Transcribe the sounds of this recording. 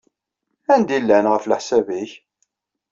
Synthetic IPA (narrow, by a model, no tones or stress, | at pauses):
ænd̪ilːænʁəflħsæviç